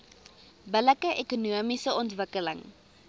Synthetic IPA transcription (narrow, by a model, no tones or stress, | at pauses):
bələkəʔekunuəmisəʔɔntvəkələ̰ŋ